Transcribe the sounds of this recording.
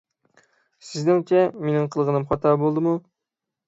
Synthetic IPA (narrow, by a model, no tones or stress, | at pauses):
sɪznɪŋt͡ʃʰʲɛmenɪŋqʰəlˠʁənɨmχɑt̪ʰɑːbolˠd̪ɨmu